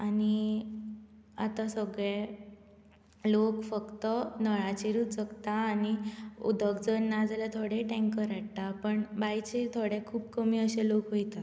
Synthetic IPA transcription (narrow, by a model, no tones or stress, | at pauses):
ani | at̪asəɡɭẽ | lokfəkt̪ənəɭat͡ɕiɾut̪t͡səkt̪aːniṵd̪əkd͡zənːad͡zalat̪ʰoɽẽʈɛ̃ŋkəɾaʈ̚t̪apəɳbajt͡ɕet̪ʰoɽekʰuːbkəmiːəɕelokɦojt̪a